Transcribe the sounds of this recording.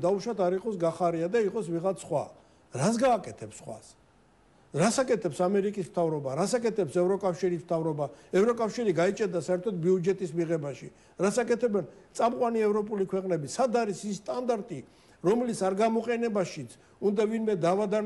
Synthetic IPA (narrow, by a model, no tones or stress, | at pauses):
d̪auʃat̪ʰaɾiqʼɔsɡaχaɾiad̪aiqʼɔsviʁat̪sʰχwa̰ | ɾas̬ɡaːkʼɛt̪ʰɛpsχwa̰s | ɾasakʼɛt̪ʰɛpsamɛɾikʼismt̪ʰavɾɔbaɾasakʼɛt̪ʰɛpsɛvɾɔkʼafʃiɾismt̪ʰavɾɔbaɛvɾɔkʼafʃiɾiɡait͡ʃʼɛd̪asaɛɾt̪ʰɔt̪̚biud͡ʒɛt̪ʼismiʁɛbaʃḭ | ɾasakʼɛt̪ʰɛbɛnt̪sʼamqʼwaniɛvɾɔpʼulikʰwɛqʼnɛbisad̪aɾisisːt̪ʼand̪aɾt̪ʼi | ɾɔmlisʰaɾɡamɔqʼɛnɛbaʃit̪sʰ | und̪avinmɛd̪avad̪a